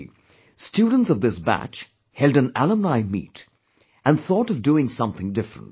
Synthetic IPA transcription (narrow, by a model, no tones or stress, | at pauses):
stʰjud̃ⁿn̩tsʌvðɪsbæ̰t͡ʃ | hɛlˠdɨ̃nælˠə̃mnaɪmḭt | ɨ̃nθɔɾʌvduɪ̃ŋsʌ̃mθɪ̃ŋdɪfɹə̰̃nt